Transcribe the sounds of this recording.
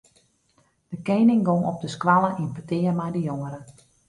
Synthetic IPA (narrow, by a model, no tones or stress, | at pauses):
d̥əkejnɪŋɡoŋɔp̚dəskʋalˠəʔinpətɪːərmɛjdəjoŋəɾə